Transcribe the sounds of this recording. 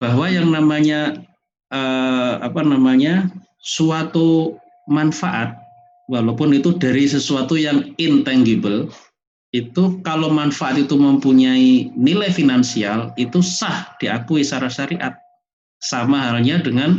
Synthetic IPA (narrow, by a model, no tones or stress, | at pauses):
b̥aɦwajaŋnamaɲa | əa̰panamaɲa | suat̪u | manfaʔat̪̚ | walopʊnit̪udaɾisəsuat̪ujaŋɪnt̪ɛŋɡibəl | it̪ukalomanfaʔat̪it̪uməmpuɲainilajfinansialit̪usahd̥iakuisaɾaʃaɾiʔa̰t̪̚ | samaɦalɲadəŋan